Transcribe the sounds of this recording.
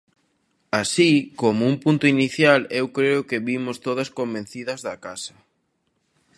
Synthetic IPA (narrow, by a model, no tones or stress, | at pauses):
asikomʊumpunt̪ʊiniθjalewkɾeʊkɪβimʊst̪oðɐskombẽn̟θiðɐzðɐkasɐ̥